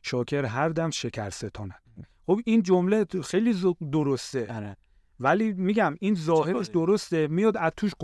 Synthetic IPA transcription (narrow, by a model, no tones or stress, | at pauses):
ʃɒːkʰeɾɦæɾd̪æmʃecʰæ̰ɾset̪ʰɒːnæ̥ | χobiːnd͡ʒomlexejliːzd̪oɾost̪ene | væliːmiːɡæminzɒːheʃd̪oɾost̪emijɒːd̪æzt̪ʰuːʃq